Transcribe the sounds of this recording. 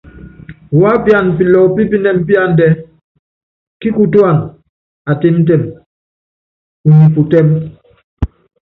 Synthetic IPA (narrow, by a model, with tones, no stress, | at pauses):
wa˦pja˨npi˨lɔ˨pi˦pi˦nɛ˦˨m̩˦pi˦a˦˨n˦dɛ˦ | ki˦ku˨ta˦˨n | a˨te˦m˦t̬ɛ˦˨m | u˨ni˨pu˨tɛ˦m